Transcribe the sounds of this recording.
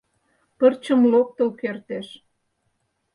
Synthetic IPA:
pərt͡ɕə̆mlok̚t̪ə̆lkert̪eʃ

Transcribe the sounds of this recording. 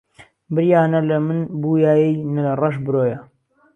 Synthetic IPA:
bɨɾjaːnɐlɐmɨnbuːjaːjɛjnɨɐrˤɐʃbɨɾoːjɐ

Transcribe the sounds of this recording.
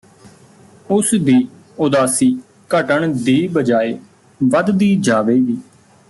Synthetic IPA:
ʊsd̪iː | ʊd̪aːsiː | kəʈəɳd̪iːbəd͡ʒaːeː | ʋəd̪d̪iːd͡ʒaːʋeːɡiː

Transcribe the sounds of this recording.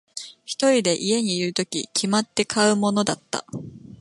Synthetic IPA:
çi̥t̪o̞ɾʲid̪e̞ʔie̞ɲ̟iːɾɯ̟t̪o̞kʲḭkʲʰimat̪ːe̞kʰaɯ̟mo̞no̞d̪at̪ːa̰

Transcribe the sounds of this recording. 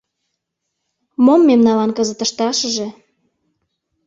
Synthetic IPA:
momːemnɑlɑnkəzə̆t̪ə̆ʃt̪ɑʃəʒe

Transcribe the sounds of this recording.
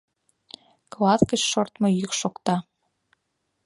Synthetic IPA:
klɑt̪kət͡ɕʃort̪mŏjykʃokt̪ɑ

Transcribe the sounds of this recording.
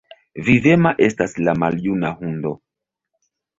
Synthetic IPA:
vive̞maʔe̞staslamaljunahundo̞

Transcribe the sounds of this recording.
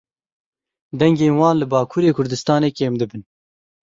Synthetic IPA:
d̪ɛŋɡeːnwɑːnlɨbɑːkʰuːɾeːkʰʊɾd̪ɨst̪ɑːneːkeːmd̪ɨbɨn

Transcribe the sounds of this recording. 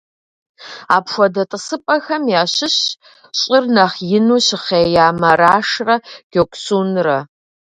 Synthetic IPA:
aːpʃʷɔdɐtʼɨsɨpʼɐxɐmjaːɕɪɕ | ɕʼɪrnɐχjɪnuːɕɪχeːjaːmɐɾaːʂrɐɡ̥ʲokʷʼsuːnrɐ

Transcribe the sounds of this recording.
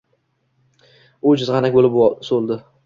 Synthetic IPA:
ʊd͡ʒɪzʁɑnakʲbolɪpsolˠd̪ɪ

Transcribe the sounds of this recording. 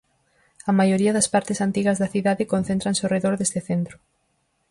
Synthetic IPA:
ɐmajoɾiɐðɐspaɾt̪ɪsant̪iɣɐzðɐθiðaðɪkonθent̪ɾɐnsoreðoɾðest̪ɪθent̪ɾʊ

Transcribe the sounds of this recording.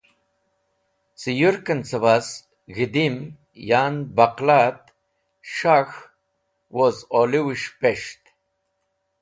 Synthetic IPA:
t͡sijuɾkənt͡səvas | ɣid̪im | janbaqlat̪ | ʃax | wozoliwiʂpeʂt̪

